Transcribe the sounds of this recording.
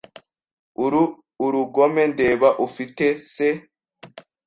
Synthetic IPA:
uɾuɡo̞me̞nde̞ːβaʔufitese

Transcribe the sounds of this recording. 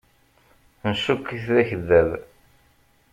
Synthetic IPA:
nʃukːiθðæçəðːæð

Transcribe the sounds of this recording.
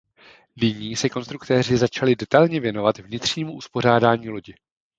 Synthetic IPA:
nɪɲiːsɛko̞nst̪ɾukt̪ɛːr̝ɪzat͡ʃalɪdɛt̪alɲɛvjɛno̞vat̪vɲɪt̪r̥ɲiːmuʔuspo̞r̝aːdaːɲiːlo̞ɟɪ

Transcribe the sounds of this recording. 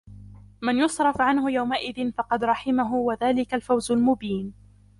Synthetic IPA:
manjʊsˤɾˤɑfʕanhʊjawmaʔɪðɪnfɑqɑd̪ɾˤɑħɪmaɦʊwaðaːlɪkalfawzʊlmʊbiːn

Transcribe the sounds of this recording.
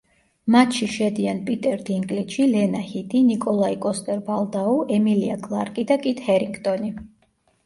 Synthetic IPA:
mat̪ʃiʃɛd̪ianpʼit̪ʼɛɾd̪iŋkʼlit̪ʃilɛnahid̪ʼinikʼɔlˠaikʼɔst̪ʼɛɾbalˠd̪auʔɛmiliakʼlˠaɾkʼid̪akʼit̪hɛɾikʰt̪ʼɔni

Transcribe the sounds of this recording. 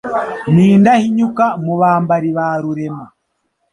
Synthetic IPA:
niːndahiɲukamuβaːmbaɾiβaːɾuɾema

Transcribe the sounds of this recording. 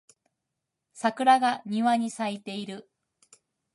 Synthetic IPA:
sakɯ̟ɾaɡaɲ̟iβaɲ̟isait̪e̞iɾɯ̟

